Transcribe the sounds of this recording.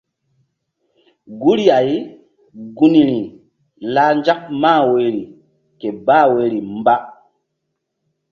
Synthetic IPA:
ɡu˦ɾi˦a˨j | ɡu˦ni˨ɾi˨ | laː˦nd͡ʒa˦k̚maː˦˨we˨˦ɾi˨ | ke˨ba˦we˨˦ɾi˨mba˦

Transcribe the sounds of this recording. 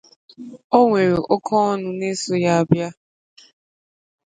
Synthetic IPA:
o˦ŋʷe˨ɾe˨ʔɔ˦kʰɔ˦ɔ˦nʊ˦ne˦so˨ja˦a˦bja˦

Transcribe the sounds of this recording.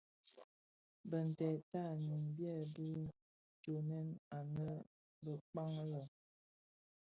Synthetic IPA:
bə˨n̩˨tɛ˨ta˦˨ni˨m˨bjɛ˦˨bi˦ | d͡ʒo˨nɛ˦na˨nə˦ | bə˨k͡pa˦ŋə˦lə˨

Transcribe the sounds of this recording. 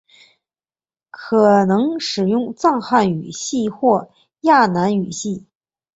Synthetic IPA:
kʰɤ˨˩nɤ˧˥ŋʂɻ̩˨˩jʊ˥˧ŋt͡sɑ˥˧ŋxa˥˩ny̰˨˩ɕi˥˧xwɔ˥˧ | ja˥˩na˧˥ny˨˩ɕi˥˩

